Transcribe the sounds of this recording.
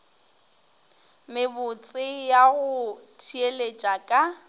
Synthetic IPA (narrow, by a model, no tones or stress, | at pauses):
mɪbʊt͡sʼɪjaɣʊtʰielet͡ʃʼakʼa